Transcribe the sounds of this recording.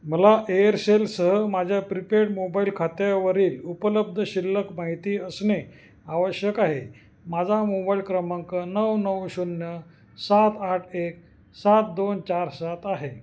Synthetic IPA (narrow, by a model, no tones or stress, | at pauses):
məlaʔejəɾselsəɦəmad͡ʑʱjapɾipeʈmobailkʰat̪jaʋəɾiːlupələb̚d̪ʱəɕilːəkmaɦit̪iːəsne | aʋəɕjəkaɦe | mad͡zʱamobailkɾəməŋkənəwnəwɕunːjə | sat̪aʈʰek̚ | sat̪̚d̪ont͡ɕaɾsat̪aɦe